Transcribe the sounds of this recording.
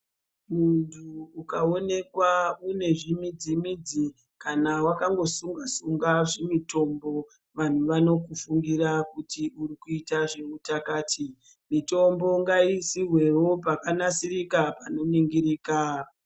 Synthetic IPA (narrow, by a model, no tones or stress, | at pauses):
muntʰuːkao̞ne̞kwaune̞ʐimid͡zimid͡zi | kanawakaŋɡo̞suŋɡasuŋɡaʐemito̞mbo̞ | ʋan̤uʋano̞kufuŋɡirakutiuɾikuitaʐemutakaːtʰi | mito̞mbo̞ŋɡaisiɦwewo̞pakanasirikapano̞niŋɡiɾiːka